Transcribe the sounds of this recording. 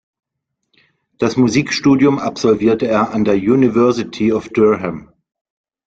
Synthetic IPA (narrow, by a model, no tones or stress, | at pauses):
d̥asmuziːkʃtuːdjʊma̰pz̥ɔlviːɐtəeːɐʔandeːɐjuːnivɛɐzɪtʰiɔfd̥øɦɛm